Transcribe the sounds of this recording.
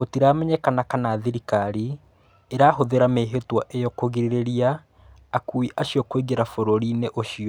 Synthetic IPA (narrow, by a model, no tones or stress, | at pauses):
otiɾamɛɲɛkanakanaːðiɾikaɾi | eɾaːɦoðeɾameɦetwaʔejɔkoɣiɾeɾeɾiaː | kuiʔaɕijɔkweɣeɾafoɾoɾineʔoʃiɔ